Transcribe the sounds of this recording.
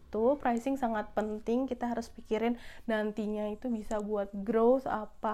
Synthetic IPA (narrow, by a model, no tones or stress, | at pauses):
t̪upɾajsɪŋsaŋat̪̚pənt̪ɪŋkit̪aɦaɾʊspikiɾɪnnant̪iɲait̪ubisabuat̪̚ɡɾoθa̰pa